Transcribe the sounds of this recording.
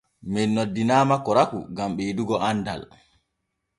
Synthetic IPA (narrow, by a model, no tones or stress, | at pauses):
mɛnːodːinaːmakɔɾakṵɡamɓɛjiduɡɔanːda̰l